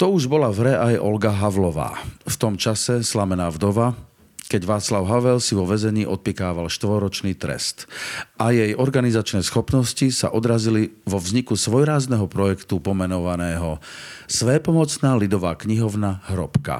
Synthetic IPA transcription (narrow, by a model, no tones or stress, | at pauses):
t̪ɔuʒbɔlavɾɛʔajʔɔ̰lɡaɦaʋlɔʋa̰ːft̪ɔmt͡ʃasɛslamɛnaːvd̪ɔʋa | kɛɟʋaːt͡slaʊɦaʋɛlsiʋɔʋɛzɛɲiːʔɔt̪̚pikaːʋalʃt̪ʋɔɾɔt͡ʃniːt̪ɾɛ̰st̪ʔajɛjɔɾɡanizat͡ʃnɛːsxɔpnɔscisa̰ʔɔd̪ɾaziliʋɔvzɲikusʋɔjɾaːznɛɦɔpɾɔjɛkt̪upɔmɛnɔʋanɛːɦɔsʋɛːpɔmɔt͡snaːlid̪ɔʋaːkɲiɦɔʊnaɦɾɔpka̰